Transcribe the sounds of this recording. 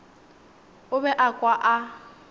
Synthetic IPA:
ʊbɛʔakʼwaʔa

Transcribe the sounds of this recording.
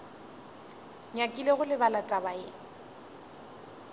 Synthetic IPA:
ɲakʼileɣʊlɪbalatʼabaɪ

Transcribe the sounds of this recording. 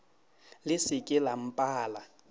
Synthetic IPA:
lɪsɪkʼɪlam̩pʼaːla

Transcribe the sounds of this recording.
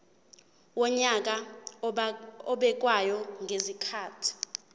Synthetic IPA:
wɔɲak̬ʼa | ɔɓɛk̬ʼwajɔŋɡʱezikʰaːtʰi̥

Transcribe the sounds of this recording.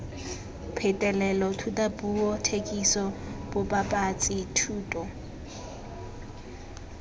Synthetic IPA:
pʰɪtʼɛlɛlɔtʰutʼabuɔtʰekʼisɔb̥ʊbapʼat͡sʼɪtʰuːtʼɔ

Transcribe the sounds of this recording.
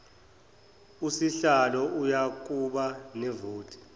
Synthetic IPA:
usiɬalɔʔujak̬ʼuɓanɛvoːtʰʼi̥

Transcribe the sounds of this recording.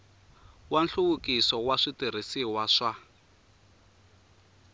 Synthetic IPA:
wanɬuɣukisɔwaʂitiɾ̤isiwaʂa

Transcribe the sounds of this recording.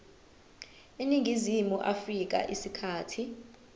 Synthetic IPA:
iniŋɡʱizimuʔafrik̬a̰ʔisikʰaːtʰi

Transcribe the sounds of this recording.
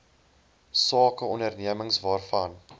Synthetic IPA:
sɑːkəɔndərniəməŋsvɑːrfɐn

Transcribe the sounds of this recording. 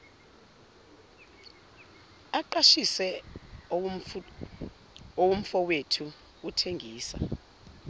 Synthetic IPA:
aǃaʃisɛ | owum̩fɔwetʰu | utʰeŋɡʱiːsa̰

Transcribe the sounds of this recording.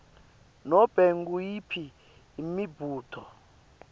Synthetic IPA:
nɔb̥ʱɛŋɡujipʰiː | mibʱuːtʰɔ

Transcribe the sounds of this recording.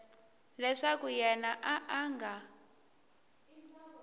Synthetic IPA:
lɛʂakujɛnaʔaʔaŋɡa

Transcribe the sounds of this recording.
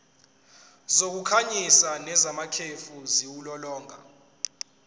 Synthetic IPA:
zok̬ukʰaɲisanɛzamakʰefuziwulɔlɔːŋa̰

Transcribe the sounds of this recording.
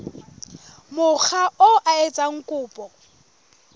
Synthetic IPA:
mʊk͡xʰaʔoʔaet͡sʼaŋ̩kʼʊːpʼɔ

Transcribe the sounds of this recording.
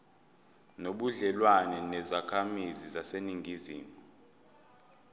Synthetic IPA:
noɓuɮɛlwanɛnɛzakʰamizizaseniŋɡiziːmɔ

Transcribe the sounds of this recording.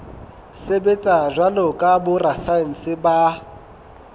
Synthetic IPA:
sebet͡sʼaʒwalɔkʼabʊrasan̩sɪba

